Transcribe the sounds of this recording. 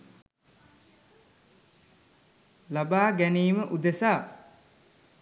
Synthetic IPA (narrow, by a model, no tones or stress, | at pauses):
labaːɡæniːməʔud̪esaː